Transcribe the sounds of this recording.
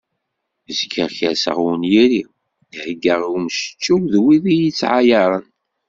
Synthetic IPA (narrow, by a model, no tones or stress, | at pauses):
əzkːəʁçə̰sə̰ʁwənjiɾi | hɡəʁiwmʃə̥t͡ʃːuwðwiðijit͡sːʕajɑɾˤən